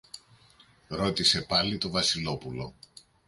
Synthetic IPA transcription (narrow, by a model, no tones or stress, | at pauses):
ɾo̞t̪ise̞pɐlit̪o̞vɐsilo̞pulo̞̰